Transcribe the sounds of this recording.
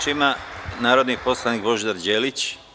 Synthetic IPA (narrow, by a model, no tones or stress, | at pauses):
imanaːɾo̞d̪nipo̞slˠaniːkbo̞ʒd̪aɾd͡ʑeːlit͡ɕ